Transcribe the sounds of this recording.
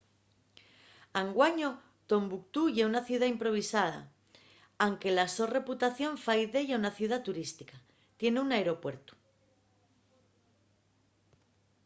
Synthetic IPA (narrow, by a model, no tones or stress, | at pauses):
aŋɡwaɲo̞ | t̪o̞mbukt̪uʝeunaθjuðaimpɾo̞β̞isað̞a̰ | awŋke̞laso̞re̞put̪aθjo̞ɱfajðe̞ʝaunaθjuðat̪uɾist̪ika | t̪je̞neunaeɾo̞pwe̞ɾt̪u̥